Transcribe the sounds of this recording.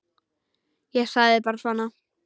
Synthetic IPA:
jɛɣsaððɪpaːɾasvanːa

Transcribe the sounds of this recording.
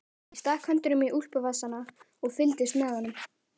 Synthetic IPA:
ist̪aːhkʰant̪ʏnʏmiʔul̥pʏvasːana | ɔɣfɪlt̪ɪst̪mɛðhanːʏm

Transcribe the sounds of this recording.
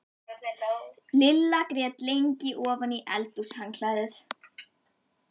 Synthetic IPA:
lɪlːakɾɛːt̪lejɲcɪʔɔːvaniʔɛ̰lt̪ushaŋkʰlaːjðɪθ

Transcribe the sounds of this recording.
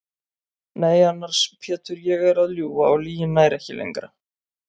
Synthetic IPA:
neːjanːaɾ̥spʰɛːt̪ʏɾjɛɣɛɾaðljuːvaawliːjɪnːajɾɛhcɪ̰lḛŋkɾa

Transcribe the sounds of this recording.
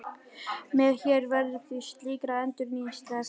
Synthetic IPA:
mɛðçɛɾvɛɾðʏθist̪liːkɾaɛnt̪ʏɾniːnst̪a

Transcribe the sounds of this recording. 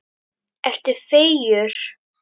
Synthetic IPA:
ɛr̥t̪ɪfeːjʏɾ̥

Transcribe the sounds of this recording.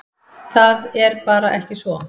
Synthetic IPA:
θaðɛɾpaːɾaʔɛhcɪsvɔ

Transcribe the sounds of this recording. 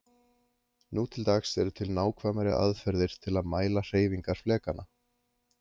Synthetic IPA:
nuːt̪ʰɪlt̪axsɛɾʏt̪ʰɪlnaːwkʰvamaɾɪ̰ʔa̰ðfɛɾðɪɾ̥t̪ʰɪlaðmaːjlar̥eːjviŋkaɾ̥flɛːkanʔa

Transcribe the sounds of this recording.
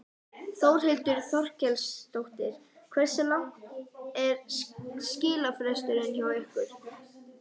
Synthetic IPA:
θowɾ̥ɦɪlt̪ʏɾ̥θɔr̥cɛlst̪owht̪ɪɾ̥ | kʰvɛɾ̥sɛmla | ɛɾscɪːlafɾɛst̪ʏɾɪnçawehkʏɾ̥

